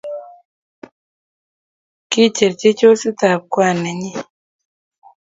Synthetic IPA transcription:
ki˦t͡ʃe˨ɾt͡ʃe˦t͡ʃo˦si˦t̪a˨p̚kwa˦˨ne˨ɲi˦

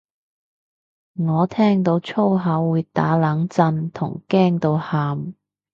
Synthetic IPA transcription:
ŋɔː˨˧t̪ʰɛː˥ŋt̪o˧wt͡ʃʰo˥wɦɐ˨˥wːuː˨˧t̪a̰ː˨˥laː˨˥ŋt͡sɐ˧nt̪ʰʊ̰˨˩ŋkɛː˥ŋt̪o˧whaː˧m

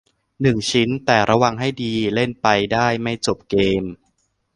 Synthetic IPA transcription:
nɯ˨˩ŋt͡ɕʰi˦˥nt̪ɛː˨˩ɾʔa˧wa˧ŋɦa˥˩jdiː˧le˥˩npa˧jdaː˥˩jma˥˩jt͡ɕo˨˩p̚keː˧m

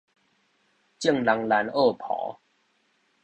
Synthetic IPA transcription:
t͡ɕi˥˨ŋla˧ŋla˨˧noː˥˧˨pʰɔ̰˨˦

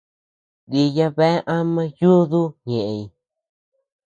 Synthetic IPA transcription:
di˧ja˧βe˦ʔã˦mã˦ju˦ðu˦ɲẽ˨ʔe˨i˨

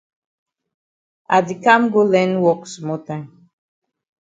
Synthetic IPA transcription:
a˨di˨kã˦mɡo˦lɛ̃˦nwɔ˦ksmɔ˦tãɪ̃m

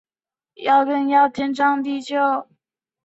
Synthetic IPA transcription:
jɑ˥˧ʊkə˥˧njɑ˥˩ʊt̪ʰɛ˥nʈ͡ʂɑ˥ŋt̪i˥˧t͡ɕʰjo˥˩ʊ

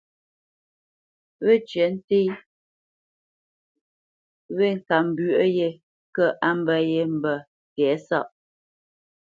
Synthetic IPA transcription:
βe˦t͡ʃɥə˨˦n̩˦te˦ | βe˦˨ŋ̩˨ka˨m˨bɥʔə˦je˦ | kə˦ʔa˦m˦bə˦je˦m̩˨bə˨ | kɛ˨˦sa˦˨ʔ

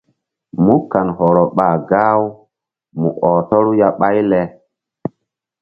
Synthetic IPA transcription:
mu˦ka˨nhɔ˨ɾɔ˨ɓaː˨ɡaː˦w | mṵ˨ʔɔ˨tɔ˦ɾu˦ja˦ɓa˦jlɛ˦

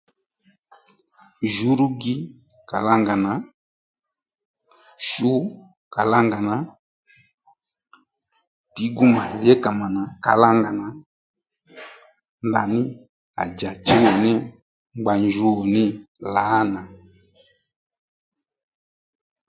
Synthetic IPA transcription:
ʒu˨˦ɾu˦ɡi˦ | ka˨la˦ŋɡa˨na˨˦ | ʃu˦ | ka˨la˦ŋɡa˨na˨ | ti˨˦ɡu˦ma˨lɛ˦ka˨ma˨na˨ka˨la˦ŋɡa˨na˨˦ | nda˨nɪ˦ | a̰˨d͡ʒa˨t͡ʃi˦nɔ˨ni˦ | ŋ͡mɡ͡ba˨ɲd͡ʒu˦˨nɪ˦la˨˦na˨

